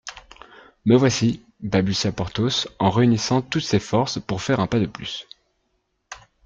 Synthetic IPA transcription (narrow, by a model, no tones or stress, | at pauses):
məvwasi | babysjapɔʁt̪osɑ̃ʁeynisɑ̃t̪ut̪sefɔʁspuʁfɛʁɛ̃pad̪əplys